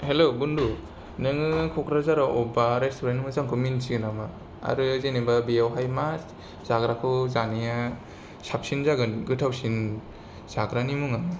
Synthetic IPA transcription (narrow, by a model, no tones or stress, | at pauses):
helobundu | nɯŋɯkʰɔkʰɾazaɾaʔɔbaɾestʰoɾenmɯzaŋkʰɯminsiɡɯnama | a̰ɾɯzenebabijawɦajmas | z̥aɡɾakʰɯwzanija | sap̚sinzaɡɯnɡɯtʰawsin | z̥aɡɾanimuŋama